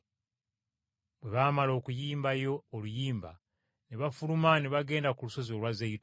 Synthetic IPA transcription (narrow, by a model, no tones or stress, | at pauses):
bwe̞βaːmalo̞ːkujiːmbajo̞ːlujiːmba̰ | neβafulumaneβaɡe̞ːndakuluso̞ziolwazeit